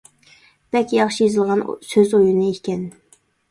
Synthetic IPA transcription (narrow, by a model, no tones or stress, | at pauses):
b̪̥ɛkʲjɑχʃijezɨlˠʁɑnsøzojunɨekʲɛn